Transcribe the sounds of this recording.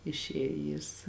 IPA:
ɪʃʲˈeːj jɪs

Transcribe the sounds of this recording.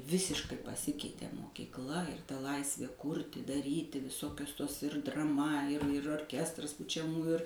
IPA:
ˈʋʲɪsʲɪʃkɐɪ pɐˈsʲɪkʲɛɪtʲeː moːkʲiːkˈlˠɐ ɪr tɐ ˈlˠɐɪsʲʋʲeː ˈkuːrʲtʲɪ dɐˈrʲiːtʲɪ ʋʲɪˈsoːkʲʊs toːs ɪr drɐˈmɐ ɪr ɪr oːrʲˈkʲæːstrɐs pʊt͡ʃʲɛˈmuːjʊ ɪr

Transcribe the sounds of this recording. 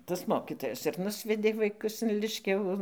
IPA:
tɐs ˈmoːkʲɪtoːjɛs ɪr ˈnʊsʲʋʲɛdʲeː ʋɐɪˈkʊs ɪn ˈlʲɪʃʲkʲɛʋʊ

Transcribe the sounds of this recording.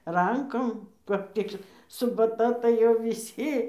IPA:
ˈrɐŋkoːm kɐp ˈtʲɪk sʊbɐˈtɐ tɐɪ ˈjɛʊ ʋʲɪˈsʲɪ

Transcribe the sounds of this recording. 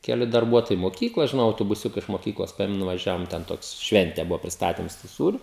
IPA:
kʲɛˈlʲɪ dɐrˈbuɔtoːjɛɪ moːˈkʲiːklˠoːj ʒʲɪˈnɐʊ ɐʊtoːbʊˈsʲʊkɐ ɪʃ moːˈkʲiːklˠoːs ˈpɐeːmʲɛm nʊʋɐˈʒʲæːʋoːm tʲɛn ˈtoːks ˈʃʲʋʲɛnʲtʲɛ ˈbʊʋoː pʲrʲɪsˈtɑːtʲɪms tuː ˈsuːrʲʊ

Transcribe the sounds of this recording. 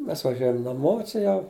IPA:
ˈmʲɛs ʋɐˈʒʲuɔjɛm nɐˈmoː t͡ʃʲɛ ˈjɛʊ

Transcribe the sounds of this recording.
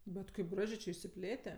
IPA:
ˈbʲɛt kɐɪp ˈɡrɑːʒʲeː t͡ʃʲɛ ɪʃʲsʲɪˈpʲlʲeːtʲɛ

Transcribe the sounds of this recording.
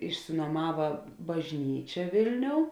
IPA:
ɪʃʲsʲɪnuɔˈmɑːʋɐ bɐʒʲˈnʲiːt͡ʃʲɛ ˈʋʲeːlʲˌnʲoːʊ

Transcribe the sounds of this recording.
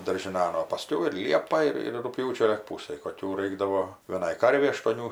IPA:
dɐrʲʒʲɪˈnɐn oː pɐˈsʲkʲɛʊ ɪr ˈlʲiɛpɐ ˈɪr ɪr rʊkˈpʲjuːt͡ʃʲoː lʲɪk ˈpuːsɐj koːˈkʲuː ˈrɐɪɡdɐʋoː ʋʲiɛˈnɐɪ ˈkɐrʲʋʲɛɪ ɐʃtuɔˈnʲuː

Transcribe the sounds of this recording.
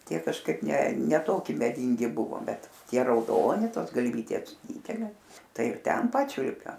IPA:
ˈtʲiɛ kɐʃˈkɐɪp ˈnʲɛ nʲɛ ˈtoːkʲɪ mʲɛˈdʲiːŋʲɡʲɪ ˈbʊʋoː ˈbʲɛt ˈtʲiɛ rɐʊˈdoːnʲɪ ˈtoːs ɡɐlʲˈʋʲiːtʲeːs ˈdʲiːdʲɛlʲeː ˈtɐɪ ɪr ˈtʲɛn ˈpɑːt͡ʃʲʊlʲpʲɛm

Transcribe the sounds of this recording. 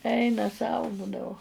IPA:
ˈɛɪnɐ sɐʊ ˈbuːdɐʋoː

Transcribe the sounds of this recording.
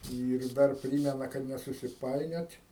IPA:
ˈiːr ˈdɐr ˈpʲrʲiːmʲɛnɐ kɐt nʲɛsʊsʲɪˈpɐɪnʲoːtʲ

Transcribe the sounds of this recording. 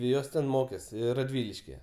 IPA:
ˈjoːs tʲɛn ˈmoːkʲeːs rɐˈdʲʋʲɪlʲɪʃʲkʲɪjɛ

